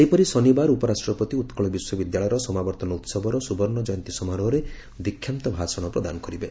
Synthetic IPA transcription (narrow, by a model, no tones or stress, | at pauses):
ejpɔɾisɔnibaɾupɔɾasʈɾɔpɔt̪iut̪kɔɭɔbiswɔbid̪jaɭɔjɔɾɔsɔmabɔɾt̪ɔnɔut̪sɔbʱɔɾɔsubɔɾnɔd͡ʒɔjɔnt̪isɔmaɾɔɦɔɾe | d̪ikʰːjamt̪ɔbʱasɔɽ̃ɔpɾɔd̪anɔkɔɾibe